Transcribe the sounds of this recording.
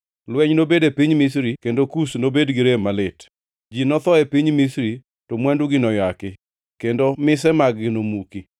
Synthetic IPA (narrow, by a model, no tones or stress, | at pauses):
lwɛɲnobedepiɲmisɾikendokusnobedɡɪɾemalɪt | d͡ʒinɔt̪ɔɛpiɲmisɾi | tɔmwɛnduɡɪnɔjakɪ | kendomɪsɛmaɡɡɪnomuki